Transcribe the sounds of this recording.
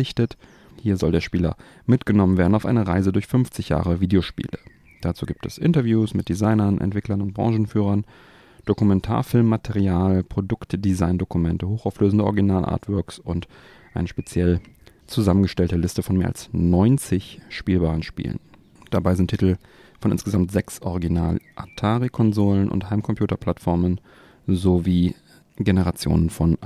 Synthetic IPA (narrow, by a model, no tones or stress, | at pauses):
ɪçtət | hiːɐzɔldeːɐʃpiːlɐ̰ | mɪtɡ̥ənɔmənveːɐdn̩aʊfʔaɪnəʁaɪzədʊɐçfʏnft͡sɪçja̰ːʁ̞əviːdeoʃpḭːlə | d̥at͡sṵːɡiːp̚tɛsʔɪntɐvjuːsmɪt̚d̥izaɪnɐnʔɛ̰ntv̥ɪklɐnʊnt̚b̥ʁɑ̰̃ŋʒn̩fyːʁɐn | d̥okumɛntʰa̰ːɐfɪlmːatʰɛʁiaːlpʁ̥odʊktd̥izaɪndokumɛntəhoːxaʊfløːzn̩dəʔɔ̰ʁɪɡinaːlʔa̰ːɐtv̥œɐksʊnt | ʔaɪnəʃpet͡sjɛl | t͡suzamənɡəʃtɛltəlɪstəfɔnmeːɐʔa̰lsnɔʏnt͡sɪçʃpiːlbaːʁən̩ʃpḭːlə̰n | d̥abaɪzɪntʰːitl̩ | fɔnʔɪ̰nsɡ̥əzamtz̥ɛksʔɔʁiɡinaːlʔatʰaːʁikʰɔnzoːlənʔʊ̰nthaɪmkʰɔmpʰjuːtɐpl̥atfɔɐmən | zoviː | ɡenəʁat͡sjo̰ːnənfɔn